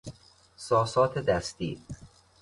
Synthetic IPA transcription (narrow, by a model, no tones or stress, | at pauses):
sɒːsɒːt̪ʰed̪æst̪ḭːɾ